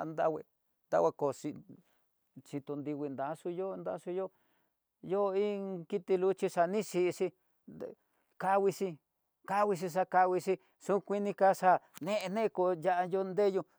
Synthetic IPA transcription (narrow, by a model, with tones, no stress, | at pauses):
nd̪a̰˦wḛ˧ | nd̪a̰˦wʷa˧ko˨ʂi˧ | t͡ʃi˧t̪u˧nd̪i˧wʷi˧nd̪a˨˦ʂu˧jo˦˧nd̪a̰˧˦su˧jo˦ | jo˦˧i˦ki˦t̪i˧lu˦t͡ʃi˧ʂa˧nĩ˦ʂi˧ʂi˧ | ka˧wi˧si˧ | ka˦˧wi˧s̬i˧ʂ̬a˧ka˧wi˧ʂi˧ | ʂu˦kʷi˦nĩ˧ka˧ʂa˧nẽ˦ʔe˧nẽ˦˧ko˧ja˧ʔa˧jo˧nd̪e˦ju˧